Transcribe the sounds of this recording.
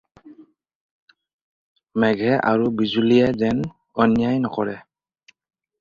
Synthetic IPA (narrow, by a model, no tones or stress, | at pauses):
mɛɡʱɛʔa̰ɹubizulijɛzɛn | ɔnjajnɔkɔɹɛ̰